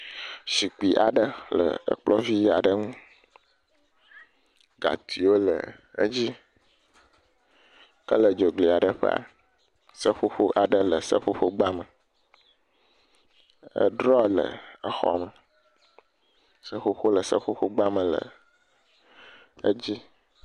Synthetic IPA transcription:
ʃi˨k͡pi˨ʔa̰˨ɖə˦lə̰˨ə̰˨k͡plɔ˦vi˦a̰˨ɖə˦ŋũ˦ | ɡa̰˨t̪ʰi˨wo˦lə̰˨ | ə̰˦d͡ʑi˦ | kə˦lə˨d͡ʒo˨ɡ͡bli˨a˨ɖə˨ɸə̰˦a̰˨ | sə˦ɸo˦ɸo˦ʔa˨ɖə˦lə˨sə˦ɸo˦ɸo˦ɡ͡ba˦mə˨ | ə̰˦ɖɾɔ˦lə̰˨ə˦xɔ̰˨mə˨ | sə˦ɸo˦ɸo˦lə˨sə˦ɸo˦ɸo˦ɡ͡ba˦mə̃˨lə̰˨ | ə˦d͡ʑi˦

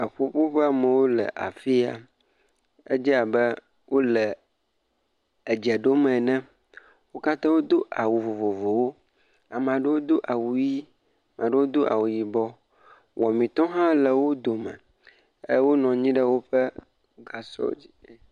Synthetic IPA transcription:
ə˨ɸo˦ɸo˦ɸɛ˦a˦˨mɛ̃˨wo˦lɛ̰˨ʔa̰˨fi˦a̰˨ | e˦d͡ʒi˦a˨bɛ˦ | wo˦lɛ˨ | ɛ˨d͡ʒɛ˨ɖo˦mɛ̃˨nɛ̃˦ | wo˦ka˦t̪ã˦wo˦d̪o˦ʔa̰˨wu˨vo˨vo˨vo˨wo˦ | a˨m˨a˨ɖe˦wo˦d̪o˦ʔa˨wu˨ji˦ | a˨mã˨ɖə˦wo˦d̪o˦ʔa̰˨wu˨ji˨bɔ˦ | wɔ˨mĩ˨t̪ɔ̃˦ɦã˦lɛ˨wo˦d̪o˨mɛ̰̃˨ | e˦wo˦nɔ̃˨ɲĩ˦ɖə˦wo˦ɸɛ˦ | ɡa˨sɔ̰˦d͡ʑi˦

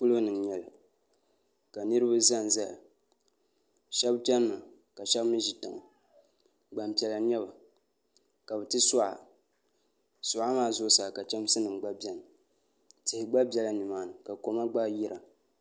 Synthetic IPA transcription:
ku˦lo˦nɨ˨ɲɛ˨la̰˨ | ka˨nɨ˦ɾɨ˦ba˦za˦˨n˨za˦ja˨ | ʃɛ˦bt͡ʃɛ˦n˦ma˨ | ka˨ʃɛ˦bmɨ˦ʒi˨tɨ˨ŋa˨ | ɡ͡ba˨m˨pi˨ɛ˨la˨ɲɛ˦ba˨ | ka˨bɨ˨tɨ˦sʊ˦ʔa̰˨ | sʊ˨ʔa˦maː˦˨zʊ˦sa˨ka˨t͡ʃɛ˦m˦sɨ˦nɨ˨mɡ͡ba˦bɛ˨nɨ˨ | tɪ˨hɪ˨ɡ͡ba˦bʲɛ˨la˦nɨ˨maː˨nɨ˨ka˨ko˨ma˦ɡ͡ba˦ji˦ɾʔa˨

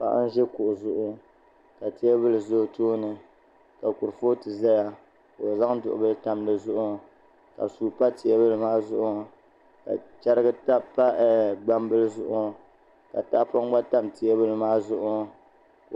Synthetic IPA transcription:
pa̰˨ʔa̰˦n̩˦ʒɛ˦kʊ˨ʔʊ˨zʊ˦ʔʊ˦ | ka˨ti˦ɛ˦bɨ˦lɨ˨zo˦toː˦nɨ˨ | ka˨kʊ˨ɾfo˦tɨ˨za˦ja˦ | ko˨za˦ŋdʊ̰˨ʔʊ̰˨bɨ˦lɨ˦ta˨mdɨ˨zʊ˦ʔʊ˦˨ | ka̰˨suː˨pa˦tɪ˨ɛ˦bɨ˦lɨ˦maː˦zʊ˦ʔʊ˦˨ | ka̰˨t͡ʃɛ˦ɾɨ˦ɡɨ˦ta˦pa˦ɡ͡ba˦mbɨ˦lɨ˦zʊ˦ʔʊ˦˨ | ka˨ta˦ʔpa˦ŋ˦ɡ͡ba˦ta˦mtɪ˨ɛ˦bɨ˦lɨ˦maː˦zʊ˦ʔʊ˦

